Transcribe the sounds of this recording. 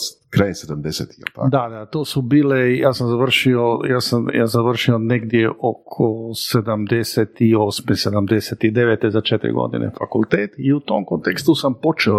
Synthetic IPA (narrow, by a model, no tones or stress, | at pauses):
kɾajensed̪amd̪esḛt̪i̥ɛ̰lt̪ad̪ad̪at̪oːsubiːlejaːsamzaʋr̩ʃiojaːsamja̰ːzaʋr̩ʃio̞neɡd̪jeʔo̞kʰosed̪amd̪eset̪iosmesed̪amd̪eset̪id̪eʋeːt̪ezat͡ʃet̪ɾḭɡo̞̰d̪ḭnʔḛfakulˠt̪eːt̪iut̪oːmkont̪ekst̪usampo̞t͡ʃeo